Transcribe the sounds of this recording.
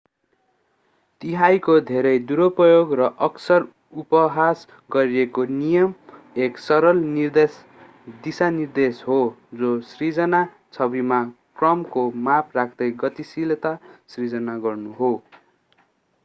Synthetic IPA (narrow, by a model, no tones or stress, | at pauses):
t̪iɦajkod̪ʱeɾʌjd̪uɾopʌjoɡrʌʔʌksʌr | upʌɦas | ɡʌɾiekonijʌm | eksʌɾʌlnird̪es | d̪isanird̪esɦod͡zosrid͡zʌna | t͡sʰʌbimakrʌmkomapʰrakʰd̪ʌjɡʌt̪isilt̪asrid͡zʌnaɡʌrnuɦo